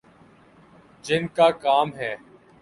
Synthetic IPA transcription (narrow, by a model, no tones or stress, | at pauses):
d͡ʒɪnkaːkaːmɦɛː